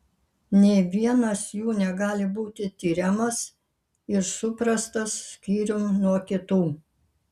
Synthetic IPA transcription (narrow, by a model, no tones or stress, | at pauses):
nʲɛɪʋʲiɛnɐsjuːnʲɛɡɑːlʲɪbuːt̪ʲɪt̪ʲiːɾʲɛmɐs | ɪɾsʊpɾɐst̪ɐsːʲkʲiːɾʲʊmnuɔkʲɪt̪uː